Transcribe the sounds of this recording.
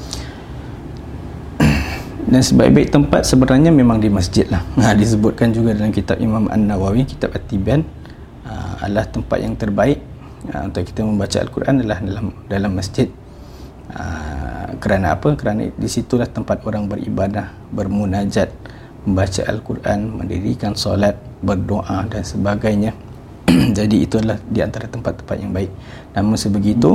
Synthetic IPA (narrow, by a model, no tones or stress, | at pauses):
dansəbaḭʔbaɪk̚t̪əmpat̪̚səbəɾahɲamemãŋdiməsd͡ʒɪt̪̚lahədis̬əbʊt̪̚kand͡ʒuɡadalamkit̪ap̚imamʔa̰nːawawiki̥t̪ap̚at̪ibian | əa̰dəlaht̪əmpa̰t̪̚jaŋt̪ərbaɪʔ̚ | ant̪awki̥t̪aməmbat͡ʃaa̰lkurʔanalahdalamdalamːəsd͡ʒɪt̪̚ | ʔə̰ | kəɾanaa̰pəkəɾana̰disit̪ulaht̪əmpat̪oɾaŋbərḭbadah | bərmunad͡ʒat̪̚ | məmbat͡ʃa̰ʔa̰lkurʔa̰nmə̰ndḭɾikansolat̪̚bərdoʔadansəbaɡajɲã | d͡ʒadiit̪uadəlahdiant̪aɾat̪əmpat̪ːə̥mpa̰t̪̚jaŋbaɪk̚namʊnsəbəɡit̪u